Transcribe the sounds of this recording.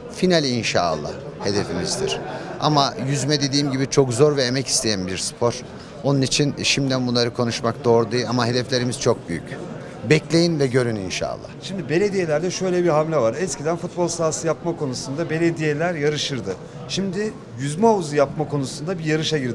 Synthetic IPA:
finalʲinʃa̰ːlˠːa̰hhe̞d̪e̞fimizd̪ḭɾ̥a̰majyzmɛd̪e̞d̪iːmɟibit͡ʃʰo̞kzoɾvɛemɛci̥st̪ʰe̞jænbiɾspʰoɾ̥ | o̞nunit͡ʃʰinʃimd̪ænbunlˠaɾɯkʰo̞nuʃmak̚d̪o̞ːɾd̪ajamaɦe̞d̪ɛflʲe̞ɾimiz̥t͡ʃʰo̞k̚byjy̰c | bɛclʲe̞jinvɛɟø̞ɾyninʃa̰ːlˠːa̰hʃimd̪ibe̞lʲe̞d̪ije̞lʲæɾd̪ɛʃø̞jlʲɛbiɦamlʲɛvaɾɛscid̪ænfut̪̚bolˠsaːsɯjapmakʰo̞nusund̪abe̞lʲe̞d̪ijelʲæɾjaɾɯʃɯɾd̪ɯ | ʃimd̪ɪ | jyzmɛouzujapmakʰo̞nusund̪abijaɾɯʃaɟiɾd̪ɪ

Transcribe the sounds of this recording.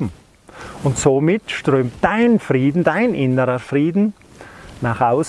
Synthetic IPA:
m̩ | ʊntsoːmɪtʃtʁ̥øːmt̚d̥aɪnnfriːdn̩daɪnʔɪnəɾəfriːdn̩ | naχaʊs

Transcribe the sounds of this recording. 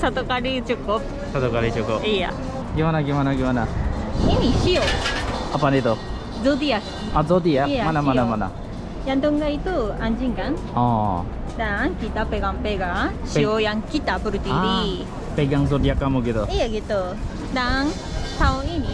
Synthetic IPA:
sat̪ɔkaɽit͡ʃukɔp̚ | sat̪ɔkaɽit͡ʃukɔija̰ | ɡimanaɡimanaɡimanainiʃioapanit̪ɔ | d͡zɔd̪iak | azɔd̪iaamanamanamana̰ | jant̪ɔŋɡait̪uand͡ʒiŋɡan | ɔ̃ | d̪aŋkit̪apeɡampeɡaʃiojaŋkit̪apuɾut̪iadi | pɛɡaŋzɔd̪ijakamuɡit̪ɔijaɡit̪o | d̪aŋ | sawoini

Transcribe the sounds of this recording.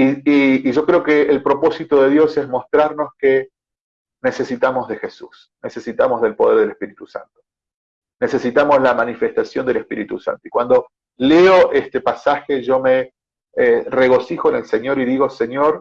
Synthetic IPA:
iiːʒo̞kɾeokeːlpɾo̞po̞sit̪oðe̞ðjo̞sezmo̞st̪ɾaɾno̞ske | nese̞sit̪amo̞zðe̞xe̞sus | ne̞se̞sit̪amo̞zðe̞lpo̞ðeɾð̞elespiɾit̪usa̰nt̪o̥ | ne̞se̞sit̪amo̞zlamanife̞st̪asjo̞nd̪elespiɾit̪usa̰nt̪oi̥kwand̪o̞ | leoʔest̪epasaxeʒo̞me | ere̞ɣ̞o̞sixoenelse̞ɲjo̞ɾiðiɣo̞se̞ɲo̞ɾ

